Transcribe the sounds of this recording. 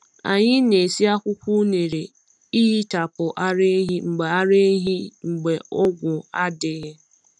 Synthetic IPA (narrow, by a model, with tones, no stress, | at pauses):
a̰˨ɲɪ˦ne˨si˦a˦kʷʊ˦kʷu˦ne˨ɾe˨ | i˦ɦi˦ta˨pʊ˨ʔa˦ɾe˦ɦi˦ŋ͡m̩˨ɡ͡be˨a˦ɾe˦ɦi˦ŋ͡m̩˨ɡ͡be˨ɔ˦ɡʷʊ˨a˦dɪ˨ɦɪ˦